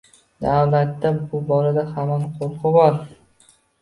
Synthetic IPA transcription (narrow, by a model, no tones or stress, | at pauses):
d̪awlat̪ːabʊbɒɾad̪ahamanqʰoɾqʰɨbɒɾ